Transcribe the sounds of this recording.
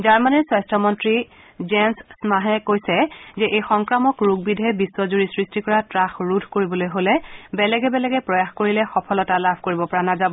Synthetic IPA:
zaɹmanɛswajstʰɔmɔntɹi | zenssmaɦɛkojsɛzɛʔejxɔŋkɹamɔkɹuɡ̚bidʱɛbiswɔzuɹisɹistikɔɹatɹaxɹudʱkoɹibɔlojɦolɛbɛlɛɡɛbɛlɛɡɛpɹɔjaxkoɹilɛxɔpʰɔlɔtalabʱkoɹibɔpɔɹanazabɔ

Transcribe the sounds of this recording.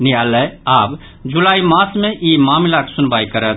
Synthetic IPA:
nɪjaːlɛaːb | d͡ʒʊlaːimãːsʰmẽʔiːmaːmɪlaksʊnbaːikəɾət̪

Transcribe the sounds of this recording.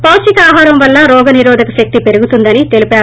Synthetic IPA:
pɐwʃikɐaːɦaːɾɐmʋɐlːɐɾɔːɡɐniɾɔːd̪ʱɐkɐʃɐk̚t̪ipe̞ɾuɡut̪und̪ɐnit̪e̞lipaːɾu

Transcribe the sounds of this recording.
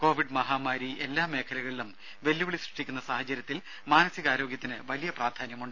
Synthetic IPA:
ko̞ːʋiɖmɐɦaːmaːɾie̞lːaːme̞ːkʰɐlɐɣɐɭilum | ʋe̞lːuʋiɭisriʂʈikʲːunːɐsaːhɐt͡ɕɐɾjɐt̪ːil | maːnɐsiɣaːɾo̞ːɡjɐt̪ːinɨʋɐlijɐpraːrd̪ʱaːnjɐmuɳɖɨ

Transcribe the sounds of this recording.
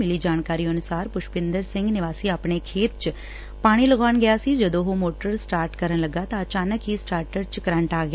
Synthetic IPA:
ɪlid͡ʒaːñkaːɾiənʊsaːɾpʊʃpɪ̃nd̪əɾsɪ̃ŋɡnɪʋaːsiaːpɳ̃ekʰeːt̪t͡ʃ | paːɽ̃iləɡaːnɡəjasid͡ʒəd̪oɦomoːʈəɾsʈaːɾʈkəɾənləɡat̪aət͡ʃaːnəkɦisʈaːɾʈəɾt͡ʃkəɾãɳʈaːɡja

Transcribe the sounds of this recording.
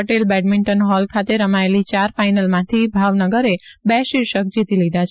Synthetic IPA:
əʈelbɛʈmiɳʈənɦɔlkʰat̪eɾəmaelit͡ʃaɾfajnəlmãt̪ʰibʱaʋnəɡəɾebɛʃiɾʃək̚d͡ʒit̪ilid̪ʱat͡ʃʰ

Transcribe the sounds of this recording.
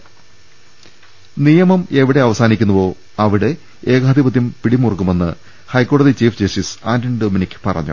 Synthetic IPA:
nijɐmɐme̞ʋiɽe̞ɐʋɐsaːnikʲːunːɐʋo̞ː | ɐʋiɽe | e̞ːɣaːd̪ibɐt̪jɐmpiɽimːurɐkːume̞nːɨ̰ | hɐjkːo̞ːɽɐðit͡ɕiːfd͡ʑɐsisaːndɐndoːminikʲːɨ̥pɐrɐ̰ɲːṵ

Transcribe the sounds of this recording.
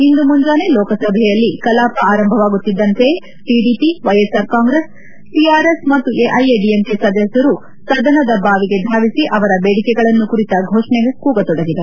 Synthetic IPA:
ind̪umuɲd͡ʒaːne̞lɔːkɐsɐbʱɛjɐlːikɐlaːpɐaːɾɐmbʱɐʋaːɡut̪ːid̪ːɐnt̪e̞ | ʈiɖipiʋɐjesaːɾkaːŋɡɾes | ʈiaːɾesmɐt̪ːuʔeʔɐjeɖiemkesɐd̪ɐsjɐɾu | sɐd̪ɐnɐd̪ɐbaːʋiɡe̞d̪ʱaːʋisiʔɐʋɐɾɐbeːɽikɛɡɐɭɐnːukuɾit̪ɐɡʱoːʂɳɛɡekuːɡɐt̪ɔɽɐɡid̪ɐɾu

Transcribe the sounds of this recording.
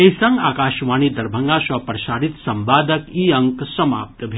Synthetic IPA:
eisɐ̃ŋɡaːkaːʃʋaːñid̪ɐɾbʱɐ̃ŋɡaːʃɐpɾɐʃaːɾit̪sɐ̃mbaːd̪əkiːɐ̃ŋksɐma̰ːp̚t̪bʱe

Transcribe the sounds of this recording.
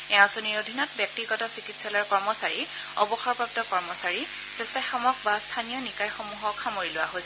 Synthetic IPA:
ɛɔ̃soniɹodʱinɔtbjɔk̚tiɡɔtɔsikitsalɔɹkɔɹmɔsaɹi | ɔbɔxɔɹpɔp̚tɔkɔɹmɔsaɹi | sesaxɔmɔk̚bastʰanijɔnikajxomuɦɔkʰːamoɹilʊwaɦojsɛ

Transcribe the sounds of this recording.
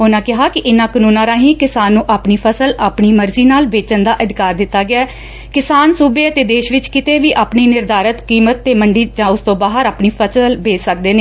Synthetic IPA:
ɦʊnãːkɪɦaːkɪʔɪnãːkənuːnãːɾaːɦiːkɪsaːnːũːʔaːpniːpʰəsəlaːpɳiːməɾziːnaːlʋeːt͡ʃənd̪aːʔəd̪ɪkaːɾd̪ɪt̪ːaːɡɪaɛː | kɪsaːnsuːbeːət̪eːd̪eːʃʋɪt͡ʃkɪt̪eːʋiːʔaːpniːnɪɾd̪aːɾət̪kiːmət̪ːeːməɳɖiːd͡ʒãːʊst̪õːbaːɦəɾaːpniːpʰəsəlbeːsək̚d̪eːneː

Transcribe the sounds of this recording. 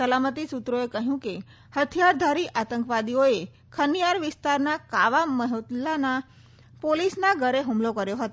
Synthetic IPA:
səlamət̪isut̪ɾoekəɦjũke | hət̪ʰijaɾd̪ʱaɾiʔat̪ə̃ŋkʋad̪ioe | kʰənijaɾʋɪst̪aɾnakaʋaməɦot̪lana | polisnaɡʱəɾeɦumlokəɾjoɦət̪o

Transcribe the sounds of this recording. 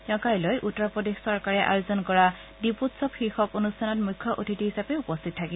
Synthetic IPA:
ɔ̃kajlojʔutːɹɔpɹɔdexsɔɹkaɹɛʔa̰jozɔnkɔɹa | diputsɔpxixɔkonustʰanɔtmujkʰːjɔʔotʰitiɦisapeupɔstʰittʰːakib

